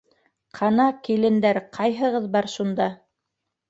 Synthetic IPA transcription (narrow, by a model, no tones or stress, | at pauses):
qʰɑnɑkilɘ̆nd̪æɾqʰɑjɦɤ̆ʁɤðbɑɾʃund̪ɑ